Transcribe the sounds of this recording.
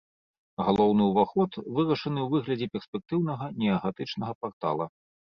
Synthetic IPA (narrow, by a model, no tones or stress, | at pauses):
ɣalˠɔwnɨuvaxɔt̪vɨɾɐʂɐnɨwvɨɣlʲɐd͡zʲɛpʲɛrspʲɛk̚t̪ɨwnɐɣɐnʲɛɐɣat̪ɨt͡ʂnɐɣɐpart̪a̰lˠɐ